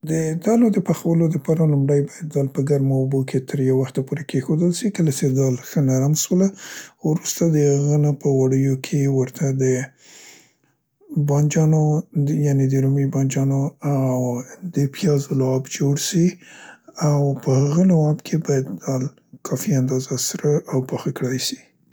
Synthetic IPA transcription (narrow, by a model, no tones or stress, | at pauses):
d̪əd̪ɑlod̪əpaxawəlod̪əpɑɾalʊmɾajbɑjad̪̚ːɑlpəɡaɾmabokʰet̪ʰəɾjawːaxt̪apoɾekʰexod̪əlʃikəlat͡ʃed̪ɑlxənaɾamʃwəlawɾust̪ad̪əhaɣənapəwaɽəjokʰewəɾt̪ʰad̪ə | bɑnd͡ʒɑnojɑned̪əɾumibɑnd͡ʒɑnoawd̪əpijɑzolːbd͡ʒoɽsi | awpəhaɣalawɑbkʰebɑjad̪d̪ɑl | kʰɑfiand̪ɑzasɾaʔawpɑxakɽajsi̥